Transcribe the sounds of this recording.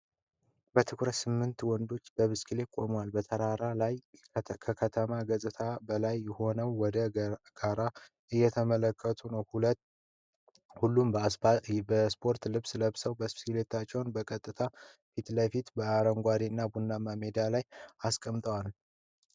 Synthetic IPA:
bət̪ʰɨkʰɾət̪sɨmːɨnt̪wɔnd̪o̞t͡ʃːbəβɨskʰile̞kʼo̞̰mwalbət̪ʰəɾaɾalajkʰəkʰət̪ʰəmaɡəsʼɨt̪ʰabəlajːɛho̞nəwːɔd̪əɡ̥aɾa | ɨjːɛt̪ʰəmələkːət̪ʰunəwhulət̪ | hulːum | bəspʰo̞ɾt̪lɨβsləβsəwbəsskilet̪ʰat͡ʃːɛwnbəkʼət̪ʼːɨt̪ʰafit̪ləfit̪bəaɾəŋɡʷad̪inːabunːamamed̪alajaskʼəmt̪ʼəwal

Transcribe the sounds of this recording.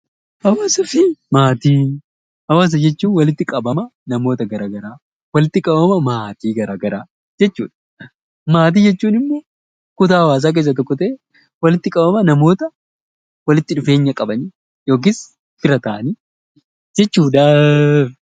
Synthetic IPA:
hɐwaːsɐfɪmaːt̪iː | hɐwaːs̬ɐd͡ʒɛt͡ʃːuːnwɐlɪt̪ːɪkʼɐbɐmɐnɐmo̞ːt̪ɐɡɐɾaːɡɐɾaː | wɐlɪt̪ːɪkʼɐbɐmɐmaːt̪iːɡɐɾaːɡɐɾaː | d͡ʒɛt͡ʃːṵːᶑɐ̥ | maːt̪̬iːd͡ʒɛt͡ʃːuːnɪmːɔ | kʊt̪aːhɐwaːs̬aːk̬e̞ːs̬ːɐt̪ɔkːɔt̪ɐʔe | wɐlɪt̪ːɪkʼɐbɐmɐnɐmo̞ːt̪ɐ | wɐlɪt̪ːɪᶑʊfe̞ːɲːɐkʼɐbɐni | jo̞ːk̬ɪs | fɪɾɐt̪ɐːɐni | d͡ʒɛt͡ʃːuːᶑɐ

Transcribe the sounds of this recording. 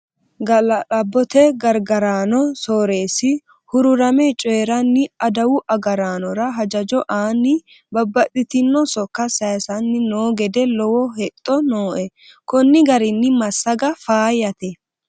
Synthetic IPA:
ɡɐlɐlɐbːɔt̪ɛɡɐɾɡɐɾaːnɔsoːɾe̞ːsɪ | hʊɾʊɾɐmɛt͡ʃʼeːɾɐnːɪɐd̪ɐwʊʔɐɡɐɾaːnɔɾɐɦɐd͡ʒɐd͡ʒɔʔaːnːɪ | bɐbːɐt̪ːɪt̪ɪnːɔsɔkːɐsɐjsɐnːɪnoːɡɛd̪ɛlɔwɔɦɛt̪ʼːɔnoːʔɛ | kɔnːɪɡɐɾɪnːɪmɐsːɐɡɐfaːjɐt̪ɛ

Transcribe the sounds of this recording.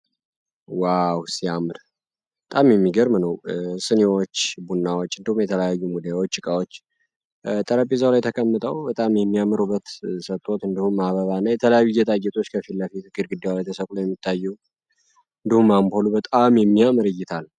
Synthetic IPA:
wawsiamɨɾ | bət̪ʼamjɛmːiɡəɾmnəwsɨnewot͡ʃːbunːawot͡ʃːɨnd̪ihumjɛt̪ʰələjajːumud̪ajawot͡ʃːɨkʼawot͡ʃː | t̪ʼəɾəpʼizəwlajɛt̪ʰəkʼəmːɨt̪ʼəwbət̪ʼamjɛmːiamɨɾubːət̪sət̪ʼːo̞t̪ɨnd̪ihumːaβəβanːajɛt̪ʰələjajːujɛt̪ʼaɡɛt̪ʼo̞t͡ʃːkʰəfilːəfit̪ɡɨɾɡɨd̪ːewlajt̪ʰəsəkʼlojɛmːit̪ʰːajːɛw | ɨnd̪ihumːampʰolubət̪ʼamjɛmːiamɨɾɨjɪt̪ʰal

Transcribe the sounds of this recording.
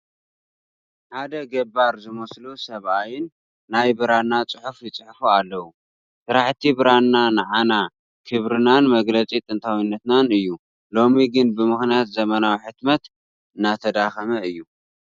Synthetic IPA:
ħad̪ɐɡɐbaɾzɨmɐslusɐβʔajɪnː | ajbɨɾanːat͡sʼɨħufjit͡sʼɨħfualːɐwu | sɨɾaħt̪ʰibɨɾanːanɨʕana | kʰɨβɾɨnanmɐɡlɐt͡sʼit̪ʼɨnt̪ʰawinːɐt̪nanɨjːu | lo̞miɡɨnbɨmɨxnijat̪zɐmɐnawiħɨt̪mɐt̪ | ɨnːat̪ʰɐd̪axɐmɐɨjːu

